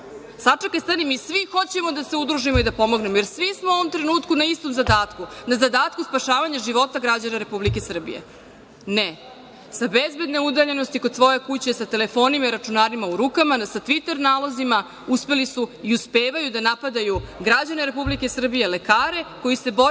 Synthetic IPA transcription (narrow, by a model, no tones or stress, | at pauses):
sat͡ʂekajst̪animisʋixo̞t͡ɕe̞mo̞d̪ase̞ud̪ɾuʒimoid̪apo̞mo̞ɡne̞mojeɾsʋismoo̞ʋo̞mt̪ɾe̞nuːt̪kunaist̪o̞mzad̪aːt̪kunazad̪aːt̪kuspaʃaːʋaɲaʒiʋo̞t̪aɡɾad͡ʑanaɾe̞publikesr̩bḭjḛ | ne | sabezbe̞d̪ne̞ud̪aʎe̞no̞st̪iko̞d̪sʋo̞je̞kut͡ɕe̞sat̪ele̞fo̞ːnimaiɾat͡ʂunaːɾimauɾukamasat̪ʋit̪e̞ɾnaːlazima | uspe̞lisuiuspeːʋajud̪anapad̪ajuɡɾad͡ʑane̞ɾe̞publike̞sr̩bije̞le̞kaːɾe̞ko̞jise̞bo̞